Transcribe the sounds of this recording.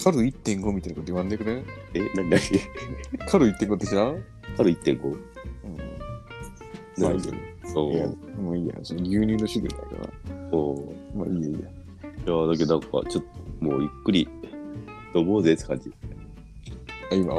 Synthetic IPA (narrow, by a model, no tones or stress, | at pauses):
kʰaɾɯ̟it̪ːẽ̞ŋɡo̞mʲit̪ainakot̪oiβãnd̪ekɯ̟neenaɲʲinaɲi | kʰaɾɯ̟it̪ːeŋɡod̪eɕia | kʰaɾɯ̟it̪ːẽŋɡo | ɯ̃ː | naaɲiːa̰ɲeoːa̰maiːja̰sonoɡʲɨːɲ̟ĩːnːoɕid̪ḛ̃d̪a̰ḭka̰na̰oːma̰iːjaiːja | jad̪akeãŋka̰t͡ɕot̪ːmoːjɯkːɯɾʲi | d̪̥oboːzeskʰã̰ɲd͡ʑi | aima̰